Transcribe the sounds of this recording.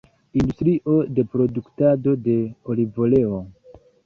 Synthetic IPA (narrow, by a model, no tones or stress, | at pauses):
industɾiʔo̞de̞pɾo̞duktado̞de̞o̞livole̞o